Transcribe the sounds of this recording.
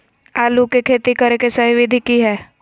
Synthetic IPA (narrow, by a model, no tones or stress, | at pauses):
aːlukekʰeːt̪ikɐɾekesɐɦiʋɪd̪ʱikiɦɛː